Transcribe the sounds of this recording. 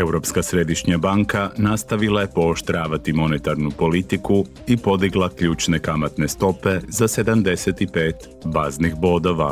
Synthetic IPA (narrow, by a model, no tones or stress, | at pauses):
e̞wɾo̞pskasɾe̞d̪iʃɲabaŋkanast̪aʋilˠaje̞po̞ːʃt̪ɾaːʋat̪imo̞net̪aɾnupo̞lit̪iku | ipo̞d̪iɡlˠakʎuːt͡ʃne̞kamat̪ne̞st̪o̞pe̞zase̞d̪amd̪e̞set̪ipe̞ːt̪ | baznixbo̞d̪o̞ʋa̰